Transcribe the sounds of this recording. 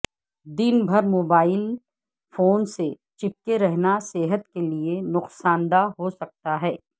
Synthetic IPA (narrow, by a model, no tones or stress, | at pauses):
d̪inbʱɐɾmoːbaːɪl | foːnse | t͡ʃɪp̚keɾɛɦnaseːɦət̪kelienʊqsaːnd̪aɦosɐk̚t̪aɦɛː